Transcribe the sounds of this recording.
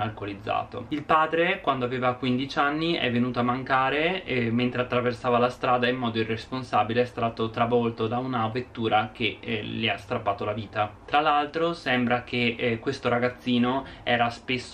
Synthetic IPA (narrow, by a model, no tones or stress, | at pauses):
alkolid̪zːa̰ːt̪o̰ilpaːd̪ɾekwand̪oaveːvakwind̪it͡ʃanːiʔɛ̰vːenuːt̪oamːaŋkaːɾeɛment̪ɾeat̪ːɾaversaːvalast̪ɾaːd̪aimːɔːd̪oirːesponsaːbileɛst̪aːt̪ot̪ɾavɔlt̪od̪aunavet̪ːuːɾak̟eliast̪ɾapːaːt̪olaviːt̪at̪ɾalːalt̪ɾosɛmbɾak̟ekːwest̪oɾaɡat̪sːiːnoɛːɾaspesː